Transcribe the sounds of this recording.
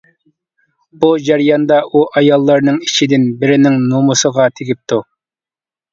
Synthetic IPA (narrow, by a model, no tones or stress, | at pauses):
b̥ud͡ʒæɾjɑnd̪ɑʔuʔɑjɑlˠːɑɾnɨŋit͡ʃʰid̪ɪnbɪɾɪnɪŋnumusəʁɑt̪ʰeɡʲip̚t̪ʰu